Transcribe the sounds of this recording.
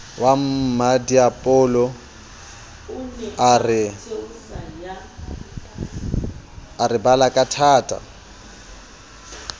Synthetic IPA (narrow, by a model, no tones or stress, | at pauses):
wʔam̩madiapʼɔːlɔ | arɪ | arɪbalakʼatʰaːtʼa̰